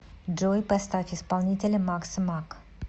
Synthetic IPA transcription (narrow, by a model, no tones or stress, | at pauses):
d͡ʒojpɛst̪afʲispalˠnʲit̪ʲelʲemaksɨmak